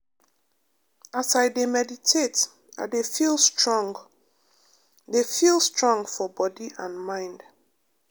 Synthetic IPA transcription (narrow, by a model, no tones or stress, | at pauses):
asajdemɛditʰet | a̰ɪdefilˠstɹɔ̃ŋɡ | defilˠstɹɔ̃ŋɡfɔbɔdiãnmãɪ̃nd